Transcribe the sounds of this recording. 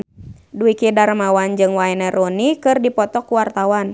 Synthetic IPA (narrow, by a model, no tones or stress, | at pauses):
duikidaɾmawand͡ʒɨŋwaɛnɛɾɔnikɨrdipɔt̪ɔkːuwart̪awan